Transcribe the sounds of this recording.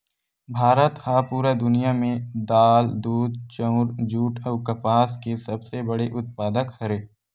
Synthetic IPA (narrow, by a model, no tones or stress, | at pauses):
bʱaːɾət̪hapuːɾad̪ʊnijamẽd̪aːld̪uːd̪̚t͡ʃə̃ʊɾd͡ʒuːʈɔːkɐpaːskesɐbsebəɽeʔʊt̪̚paːd̪əkhɐɾeː